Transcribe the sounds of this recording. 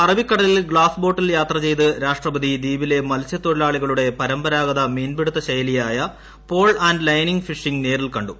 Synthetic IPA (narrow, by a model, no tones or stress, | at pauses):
ɐrɐbikːɐɽɐlilɡɭaːsbo̞ːʈːiljaːt̪rɐt͡ɕe̞jt̪ɨɾaːʂʈrɐbɐd̪ʱid̪iːbile̞mɐlsjɐt̪ːoɽilaːɭiɣɐɭuɽe̞pɐɾɐmbɐɾaːɣɐðɐmeːnbeɽut̪ːɐɕɐjɐlijaːjɐ | po̞ːɭɐnɖlɐjniŋɡfiʂiŋɡne̞ːrilkɐɳɖu